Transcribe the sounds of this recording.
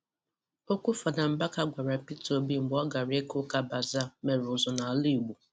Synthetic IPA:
o˦kʷʊ˦fa˨da˨m̩˨ba˦ka˦ɡʷa˨ɾa˨pi˦to˨bi˦m̩˨ɡ͡bɔ˦ɡa˨ɾe˦kʊ˦ka˦ba˨za˦˨me˨ɾʊ˨zɔ˨na˨a˨li˦˨ɡ͡bu˨

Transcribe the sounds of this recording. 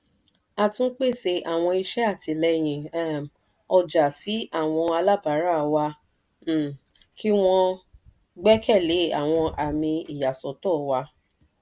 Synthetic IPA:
a˧tũ˦k͡pe˦˨se˧ʔa˨w̃ɔ̃˧i˧ʃɛ˦a˦˨ti˨˧lɛ˧j̃ĩ˨ɛ˦m | ɔ˧d͡ʒa˨si˨˦a˦˨w̃ɔ̃˧a˧la˦˨ba˨˦ɾa˦˨wã˧˨ | kʰi˦w̃ɔ̃˧ | ɡ͡bɛ˦kɛ˦˨le˨˦a̰˨w̃ɔ̃˧ʔa˨mĩ˧i˨ja˨sɔ˨˦tɔ˦˨wa˧˦

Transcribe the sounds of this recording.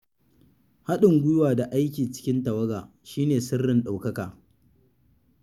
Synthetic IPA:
ha˦ɗɪ˨ŋɡʷʊ˦jwaː˨da˨ʔa˦jkʲiː˨t͡ʃɪ̥˦kʲɪ˦ntɐ˨wɐ˦ɡa̰ː˨ | ʃiː˦neː˨sɪ˦rːɪ˨nɗa˨wkɐ˦kaː˨

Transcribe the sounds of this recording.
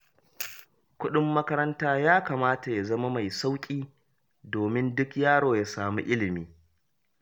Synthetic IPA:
kʷʊ˦ɗɪ˦mːɐ˦kɐ˦ɾɐ˦ntaː˦jaː˦kaː˨maː˦ta˨ja˨zɐ˦ma˦ma˨jsa˦wkʲʼiː˦ | doː˨mɪ˦ndʊ˦kjaː˦ɽoː˨ja˨˦saː˨mṵː˦ʔɪ˦lɪ˨miː˦

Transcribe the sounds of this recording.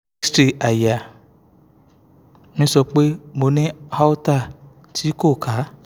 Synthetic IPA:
stɾi˨a˨ja˨ | mĩ˨˦sɔ˧k͡pe˦mo˨˦nẽ˦ha˦wu˦ta˦˨ | tʰi˦ko˦˨kʰa˨˦

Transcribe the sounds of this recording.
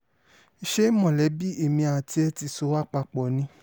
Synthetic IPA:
i˧ʃe˦mɔ̃˨lɛ˨˦bi˦e˦˨mĩ˧a˨ti˧ɛ˧ti˧so˧˦wa˦˨k͡pa˧k͡pɔ˨nĩ˧˦

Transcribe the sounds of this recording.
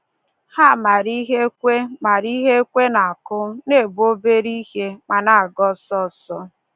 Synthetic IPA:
ha˦˨ma˨ɾi˦ɦe˦kʷe˦ma˨ɾi˦ɦe˦kʷe˦na˨a˨kʊ˦ne˦˨bo˦be˦ɾi˦he˦ma˨na˨a˨ɡɔ˦sɔ˦sɔ˦

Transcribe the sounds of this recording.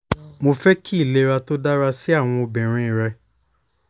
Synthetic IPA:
mo˧fɛ˦kʰi˦˨le˧˦ɾa˧to˦da˦ɾa˧si˦a˦˨w̃ɔ̃˧o˧bɛ̃˨ɾ̃ĩ˨ɾɛ˧

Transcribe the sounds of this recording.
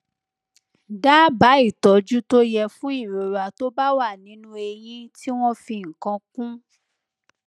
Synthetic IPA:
da˦ba˨˦i˦˨tɔ˨˦d͡ʒu˦to˦jɛ˧fũ˦i˦˨ɾo˨ɾa˨to˦ba˦wa˦˨nĩ˨˦nũ˦e˧jĩ˦ti˦w̃ɔ̃˦fĩ˧˨ŋ̩˨kã˧kũ˦

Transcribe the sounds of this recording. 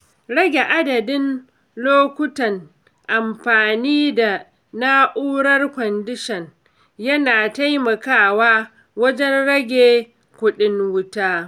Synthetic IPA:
ɾɐ˦ɡʲe˨ʔa˦dɐ˨dɪ˦n | loː˦kʷʊ˦tɐ˨n | ʔa˨mɸaː˨niː˦da˨ | naː˦ʔuː˦ɾɐ˦rkʷɔ˨ndɪ˦ʃɛ˨n | jɐ˦naː˨ta˦jmɐ˨kaː˦waː˦ | wɐ˦d͡ʒɛ˦nɽɐ˦ɡʲeː˨ | kʷʊ˦ɗɪ˦ŋwʊ˦taː˦

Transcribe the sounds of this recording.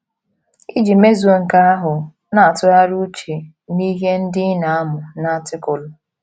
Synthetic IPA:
i˦d͡ʒi˨me˦zu˨o˨ŋ̩˨ka˦a˦ɦʊ˨ | na˨a˨tʊ˦ɾa˦ɾu˦t͡ʃe˨ | ni˦ɦe˦n̩˦dɪ˦na˨a˦mʊ˨na˦tɪ˦kʊ˨lʊ˨

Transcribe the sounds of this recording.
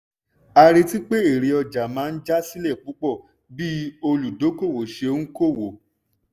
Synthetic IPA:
a˧ɾe˧ti˦k͡pe˦e˨ɾe˨˧ɔ˧d͡ʒa˨mã˨˦n̩˦d͡ʒa˦si˦lɛ˦˨k͡pu˨˦k͡pɔ˦˨ | bi˦o˧lu˨do˨˦ko˦˨wo˨ʃe˧˦n̩˦ko˦˨wo˨

